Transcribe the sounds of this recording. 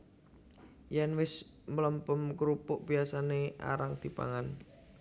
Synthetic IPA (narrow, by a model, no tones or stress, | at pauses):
janwɪs | mələmpəmkɾupʊʔb̥iasaneʔa̰ɾaŋd̪̥i̤pa̰ŋan